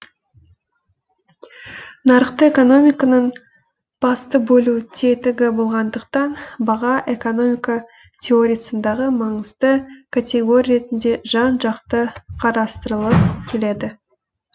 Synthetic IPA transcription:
nɑɾəqt̪əeko̞no̞mʲijkanəɴ | b̥ɑst̪əbɵlut̪ʰe̞t̪ɪɡʲɪbo̞lˠʁɑnd̪əqt̪ɑnbɑʁɑʔe̞ko̞no̞mʲijka | t̪ʲʰeo̞ɾʲijasənd̪ɑʁəmɑɴəzd̪əkʰat̪ʲe̞ɡo̞ɾʲijɾe̞t̪ɪnd̪e̞ʒɑnʒɑqt̪əqʰɑɾɑst̪əɾəlˠəp̚kʲʰe̞le̞d̪ɪ

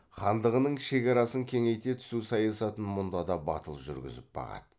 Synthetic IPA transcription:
χɑnd̪əʁənəɴʃe̞kʲɑɾɑsəŋkʲʰe̞ŋe̞jt̪e̞t̪ʰʏ̥susɑjɑsɑt̪ənmʊnd̪ɑd̪ɑbɑ̰t̪əlˠʒʏ̰ɾɡʲɪ̰zɪp̚bɑ̰ʁɑ̰d̪ə

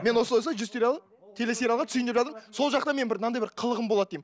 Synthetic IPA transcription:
me̞nwo̞səlˠajsɑʒʏzt̪ʰeɾɑlˠ | t̪ʰe̞le̞seɾjɑlˠʁɑt̪syjɪnd̪epʒɑt̪əɾəso̞lˠʒɑq̚t̪ɑmenbɪɾnɑnd̪ɑjbɪɾqʰəlˠəʁəmbolˠɑd̪d̪ejm

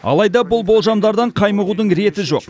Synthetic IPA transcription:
ɑ̰lˠɑjd̪ɑbʊlˠbo̞lˠʒɑmd̪ɑɾd̪ɑɴqʰɑjməʁud̪əɴɾe̞t̪ɪʒo̞̰q

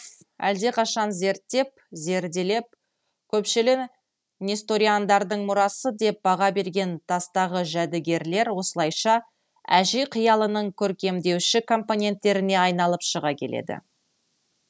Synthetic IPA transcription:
æ̰ld̪e̞qʰɑʃɑnze̞ɾt̪ːe̞p̚ | ze̞ɾd̪ele̞p̚ | kʲʰɵpʃɪlɪ | nʲest̪o̞ɾiand̪ɑɾd̪əɴmʊɾɑsəd̪e̞p̚bɑʁɑbe̞ɾɡʲe̞nt̪ʰɑst̪ɑʁəʒæd̪ɪɡʲe̞ɾle̞ɾwo̞səlˠɑjʃɑ | æʒijqʰijɑlˠənəɴkʲʰɵɾkʲe̞md̪e̞wʃɪkʰo̞mpo̞nʲe̞nt̪ːe̞ɾɪne̞ɑjn̪ɑlˠəpʃəʁɑkʲʰe̞lʔḛd̪ɪ̰

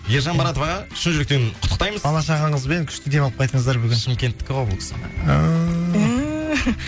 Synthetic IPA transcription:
je̞ɾʒɑnbɑɾɑt̪ovɑʁɑʃɪnʒɪlɪk̚t̪enqʰʊt̪ːə̥qt̪ɑjməzɑlˠɑʃɑʁɑɴəzbeŋkʲʰʏ̥ʃt̪ɪd̪e̞mɑəp̚qɑjt̪əɴəzd̪ɑɾbʏɡʲɪnʃɪmkʲe̞nt̪ːɪ̥kʲːɪwoblˠkʰʲɪ̥sɪə

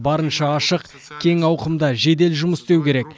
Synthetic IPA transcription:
bɑɾənʃɑɑʃəq | kʲʰe̞ŋɑwqəmd̪ɑʒe̞d̪e̞lʒʊməsd̪ewkʲʰe̞ɾe̞k

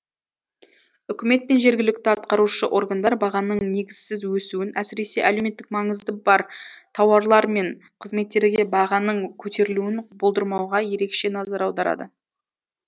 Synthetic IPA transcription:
ʏkʲɪme̞t̪̚pe̞nʒe̞ɾɡʲɪlɪk̚t̪ɪɑt̪qɑɾuʃəʔo̞ɾɡand̪ɑɾbɑʁɑnəɴne̞ɡʲɪz̥sɪzwɵsuɪnæsɪɾe̞se̞ʔæle̞me̞t̪ːɪkmɑɴəzd̪əbɑɾt̪ʰɑwɑɾlˠɑɾme̞ɴ | qʰəzme̞t̪ːe̞ɾɡʲe̞bɑʁɑnəɴkʲʰɵt̪e̞ɾɪluɪnbolˠd̪əɾmɑwʁɑje̞ɾe̞kʃe̞nɑzɑɾɑwd̪ɑɾɑ̰d̪ə

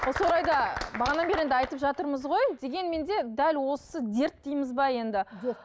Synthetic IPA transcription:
wosəwoɾɑjd̪ɑbɑʁɑnɑnbeɾend̪ɪɑjt̪əpʒɑt̪əɾməzʁo̞jd̪e̞ɡʲe̞nme̞nd̪e̞d̪ælwo̞səd̪e̞ɾt̪̚d̪ijmɪzbɑje̞nd̪ɪ

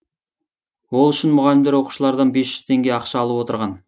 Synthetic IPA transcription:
wo̞lˠʏʃɪnmʊʁɑlɪmd̪eɾwo̞qu̥ʃəlˠɑɾd̪ɑnbe̞sʒ̥ʏz̥t̪ʰe̞ŋɡʲe̞ɑqʃɑːlˠəpwo̞t̪əɾʁɑn

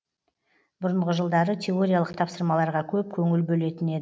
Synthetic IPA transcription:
bʊɾəɴʁəʒəlˠd̪ɑɾət̪ʲʰe̞o̞ɾʲijalˠəqt̪ʰɑpsəɾmɑlˠɑɾʁɑkʲʰɵp̚kʲʰɵŋɪlbɵle̞t̪ɪne̞d̪ɪ

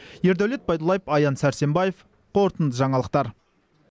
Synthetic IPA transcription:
je̞ɾd̪æwle̞t̪̚bɑjd̪əlˠɑjəpɑjɑnsæɾse̞mbɑjef | qʰo̞ɾət̪ənd̪əʒɑɴɑlˠəq̚t̪ɑɾ

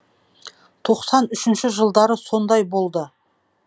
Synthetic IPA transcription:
t̪ʰo̞qsɑnʏʃɪnʃɪʒəlˠd̪ɑɾəso̞nd̪ɑjbo̞lˠd̪ə

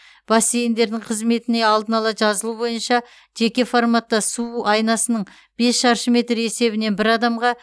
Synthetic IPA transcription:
b̥ɑsejend̪e̞ɾd̪ɪɴqʰəzme̞t̪ɪne̞ɑlˠd̪ənɑlˠɑʒɑzəlˠubo̞jənʃɑ | ʒ̥e̞kʲe̞foɾmat̪ːɑsuɑjnɑsənəɴ | b̥e̞sʃɑɾʃəme̞t̪ɾe̞se̞βɪne̞nbɪɾɑd̪ɑmʁɑ

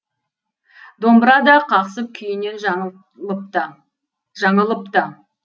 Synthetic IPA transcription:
d̪o̞mbəɾɑd̪ɑqʰɑqsəp̚kʲʰʏjɪne̞nʒ | t̪ | ʒɑɴəlˠəpt̪ə

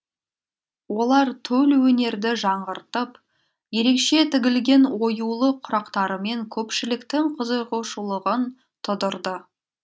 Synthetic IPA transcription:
wo̞lˠɑɾt̪ʰɵlwɵne̞ɾd̪ɪʒɑɴʁəɾt̪əp | je̞ɾe̞kʃe̞t̪ʰɪɡʲɪlɡʲe̞nwo̞julˠəqʰʊɾɑqt̪ɑɾəme̞ŋkʲʰɵpʃɪlɪkt̪ɪŋqʰəzəʁəʃulˠəʁən | t̪ʰʊd̪ʊɾd̪ə

